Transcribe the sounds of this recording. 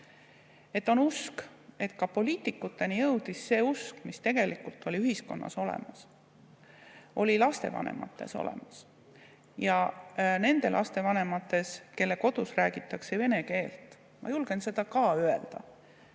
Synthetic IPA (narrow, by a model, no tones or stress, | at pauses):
e̞t̪ːˑo̞nuske̞t̪kɑpo̞liːt̪ˑːikːˑut̪ːˑe̞nijɤwd̪̥isːe̞ːuskmist̪e̞ɡ̥e̞likult̪ːˑo̞lʲiyɦiskonːɑ̰so̞lḛmɑs | ʔo̞lʲilɑst̪e̞vɑ̰nḛmʔɑ̰t̪ːˑe̞̰so̰lḛmɑs | jɑne̞nd̪̥e̞lʔɑ̰st̪e̞vɑne̞mɑt̪ːˑe̞ske̞lːe̞ko̞d̪̥usræːɡ̥it̪ːˑɑkseve̞ne̞ke̞ːlt̪ˑ | mɑ̰julɡ̥e̞nse̞d̪̥ɑkɑːøeld̪̥ɑ